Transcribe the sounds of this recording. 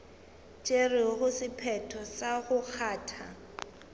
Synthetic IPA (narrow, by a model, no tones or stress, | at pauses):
t͡ʃʼerɪɣʊsɪpʰɛtʰɔsaɣʊk͡xʰaːtʰa